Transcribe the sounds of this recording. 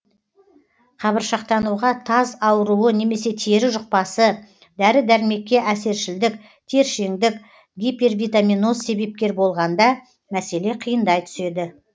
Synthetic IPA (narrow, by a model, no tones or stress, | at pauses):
qʰɑβəɾʃɑq̚t̪ɑnuʁɑt̪ʰɑzɑwəɾuwəne̞me̞se̞t̪ʰeɾɪʒʊq̚pɑsə | d̪æɾɪd̪æɾɪme̞kʲːe̞ʔæse̞ɾʃɪld̪ɪk | t̪ʰe̞ɾʃe̞ŋd̪ɪk | ɡʲipe̞rvʲijt̪aminosːe̞be̞p̚kʲe̞ɾbo̞lˠʁɑnd̪ɑ | mæse̞le̞qʰijənd̪ɑjt̪ʰʏ̥se̞d̪ɪ